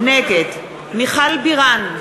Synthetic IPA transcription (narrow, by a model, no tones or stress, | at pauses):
neket̪ | miχalbiʁan